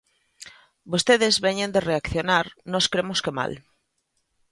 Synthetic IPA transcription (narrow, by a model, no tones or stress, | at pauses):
bost̪eðezβeɲẽnd̪ereakθjonaɾnɔskɾemoskema̰l